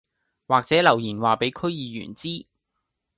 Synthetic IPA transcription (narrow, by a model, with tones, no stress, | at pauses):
waː˨k̚t͡sɛː˨˥lɐ˨˩wjiː˨˩nwaː˨pe˨˥jkʰɵ˥ɥjiː˨˧jy̰ː˨˩nt͡siː˥